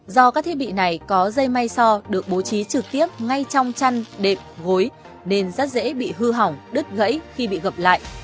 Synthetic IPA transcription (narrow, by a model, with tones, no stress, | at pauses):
zɔ˧kaː˦˥k̚t̪̚ʰɓḭ˧˨na˨˩jkɔ˨˦zə˧jma˧jsɔ˧ɗɨ˨˩ək̚ɓo˨˦t͡ɕi˨˦t͡ɕɨ˨˩k̚t̪i˦˥əp̚ŋa˧jt͡ɕɔ˧wŋ͡mt͡ɕa˧nɗe˨˩p̚ɣo˨˦j | ne˧nzə˦˥t̚zḛ˧˥ɓḭ˧˨ɦɨ˧ɦa˨˩wŋ͡mɗɨ˦˥t̚ɣə̰˧˥jxi˧ɓḭ˧˨ɣə˨˩p̚la̰ː˧˨jʔ